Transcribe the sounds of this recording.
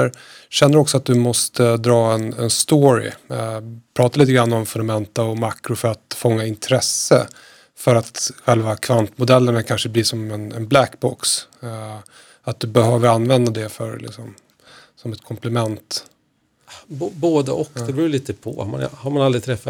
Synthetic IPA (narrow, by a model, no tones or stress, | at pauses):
ɾ | ɕɛnːəɾɔksɔat̪̚d̪ɵmɔst̪əd̪ɾɑːɛnɛ̰nst̪oːɾɪ̰ | pʰɾɑːt̪aliːt̪əɡɾanːɔmfɵnd̪amɛnt̪aɔmakɾʊfœɾat̪fɔŋːaɪnt̪ʰɾɛsːə | fœɾat̪ɧɛlvakʰvant̪mʊd̪ɛlːəɳakʰanʂəbliʂɔmɛnɛ̰nblækbɔks | at̪̚d̪ɵbɛhøːvəɾanːvɛnd̪ad̪ɛfœɾlɪ̰ksɔm | sɔmɛt̪kʰɔmplɛmɛnt̪ | bboːd̪ə̰ʔɔkd̪ɛbɾuːjliːt̪əpʰɔ̰ha̰ma̰nhaɾmanald̪ɾɪt̪ʰɾɛfːa